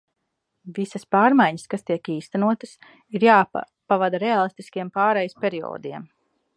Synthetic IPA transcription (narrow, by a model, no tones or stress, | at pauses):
visɐspaːɾmajɲəskast̪iɛkiːst̪anuɔt̪əs | iɾjaː | pavad̪aɾɛaːlˠist̪iskiɛmpaːɾɛjspʲeɾio̰ːd̪iɛm